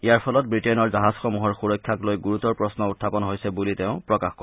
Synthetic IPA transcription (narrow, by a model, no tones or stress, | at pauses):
ijaɹpʰɔlɔt̚bɹitɛnɔɹzaɦazxɔmuɦɔɹxuɹɔkʰːjaklojɡuɹutɔɹpɹɔsnɔutʰːapɔnɦojsɛbuliteʊ̃pɹɔkaxkɔ